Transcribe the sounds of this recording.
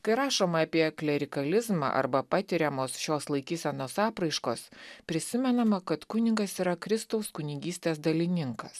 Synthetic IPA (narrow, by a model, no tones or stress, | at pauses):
kɐɪɾɑːʃoːmɐːpʲiɛklʲɛɾʲɪkɐlʲɪzmɑ̰ʔɐ̰ɾbɐpɑːt̪ʲɪɾʲɛmoːsʃʲoːslˠɐɪkʲiːsʲɛnoːsɑːpɾɐɪʃkoːspʲɾʲɪsʲɪmʲɛnɐmɐkɐt̪kʊnʲɪɡɐsiːɾɐkɾʲɪst̪ɐʊskʊnʲɪɡʲiːsʲt̪ʲeːs̬d̪ɐlʲɪnʲɪŋkɐs